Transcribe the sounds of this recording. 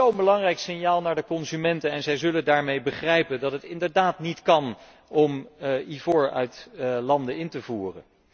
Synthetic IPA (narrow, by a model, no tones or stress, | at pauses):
ownbəlɑŋrɛjksɪnjaːlˠnaːɹdəkɔnzymɛntənɛnzɛjzɵlədaːɹmejbəχrɛjpəndɑtɦətɪndəɹdaːtnitkɑn | ɔmivʊɹœ̰ɥtlɑndəɪntəvuːrə̰n